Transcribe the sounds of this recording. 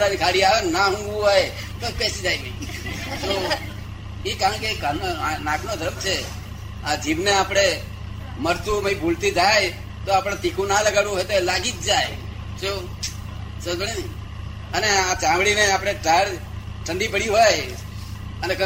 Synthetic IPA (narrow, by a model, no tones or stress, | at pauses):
ɾanikʰaɽiaʋenːaɦũŋɡʋũɦoj | t̪opɛsid͡ʒajət̪o | ikãɳkekənanãkʰnod̪ʱəɾəmt͡ʃʰe | ad͡ʒiʋneapɽ̃e | məɾt̪uməibʱult̪id͡ʒaj | t̪oapɽ̃ãt̪ikʰũnaləɡalʋũɦojt̪olaɡid͡ʒd͡ʒaj | t͡ʃo | səbəɽi | əneat͡ʃãʋɽineapɽ̃eʈaɽ | ʈʰəɳɖipəɽiɦoj | ənek